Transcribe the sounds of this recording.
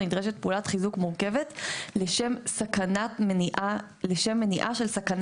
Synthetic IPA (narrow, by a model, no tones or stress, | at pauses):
nid̪ʁeʃet̚peuːlat̪χizukmuʁke̞vet̪leʃemsakanatmeniʔa | leʃemːe̞niʔaʃelsakan